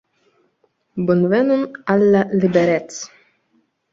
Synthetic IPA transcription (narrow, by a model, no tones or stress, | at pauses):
bʊnvɛnunalːalɪbɛɾɛt̪s